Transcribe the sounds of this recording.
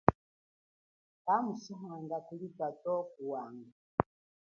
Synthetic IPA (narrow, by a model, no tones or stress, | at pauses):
kamusiɦaŋɡakulibatɔkuwaŋɡa